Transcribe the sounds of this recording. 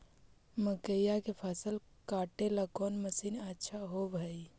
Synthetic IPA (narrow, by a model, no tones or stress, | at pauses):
məkəjakepʰəsəlkaʈelakɔnməsiːnətːʃʰaɦobʱəj